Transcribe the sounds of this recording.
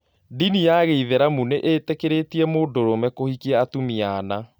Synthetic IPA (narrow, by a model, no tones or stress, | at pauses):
dinijaɣeiðeɾamuneʔetekeɾetiɛmodoɾomɛkohikiɛatumiana